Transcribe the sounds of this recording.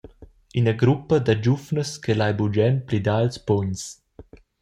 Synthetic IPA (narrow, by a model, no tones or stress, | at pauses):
inəɡɾupəd̪ad͡ʒufnəskelajbud͡ʒɛnplid̪ailspɔɲs